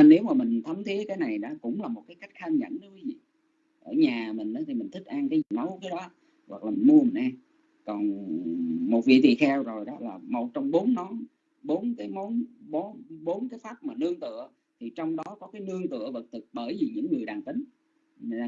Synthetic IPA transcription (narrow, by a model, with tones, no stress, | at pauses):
ne˨˦wmaː˨˩mï˨˩ŋ̟t̪ʰə˨˦mt̪ʰi˨˦əkaː˨˦jna˨˩jɗɔ̰ː˨˦kʊ̰˧˥ŋ͡mlaː˨˩mo˨˩t̚kaː˨˦jka˦˥jk̟̚xaː˧mɲə̰˧˥nə˨˦kwi˨˦vḭ˧˨ | ʔəː˧˩ɲaː˨˩mï˨˩ŋ̟ʔaː˨˦t̪ʰi˨˩mï˨˩ŋ̟t̪ʰi˦˥k̚ʔaː˧ŋkaː˨˦zi˨˩ma˨˦wkaː˨˦jɗɔ˨˦ | wa̰˨˩k̚laː˨˩mi˨˩nmu˧əmi˨˩n̟ʔaː˧ŋ | kɔ˨˩n | mo˨˩t̚vḭ˧˨t̪ḭ˧˨xɛ˧wzo˨˩jɗɔ˨˦laː˨˩mo˨˩t̚t͡ɕɔ˧wŋ͡mɓo˨˦nːɔ˨˦n | ɓo˨˦nkaː˨˦jmo˨˦nɓo˨˦ɓo˨˦nkaː˨˦jfaː˦˥p̚maː˨˩nɨ˧əŋt̪ɨ̰˧˨ə | t̪ʰi˨˩t͡ɕɔ˧wŋ͡mɗɔ˨˦kɔ˨˦kaː˨˦jnɨ˧əŋt̪ɨ̰˧˨əvə˨˩t̚t̪ʰɨ˨˩k̚ɓəː˧˩jvi˨˩ɲɨ̰˧˥ŋːɨ˨˩əjɗaː˨˩ŋt̪ï˨˦ŋ̟ː˨˧